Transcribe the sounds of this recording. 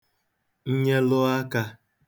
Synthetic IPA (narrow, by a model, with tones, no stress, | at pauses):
ɲ̩˦ɲe˦lʊ˦a˦ka˦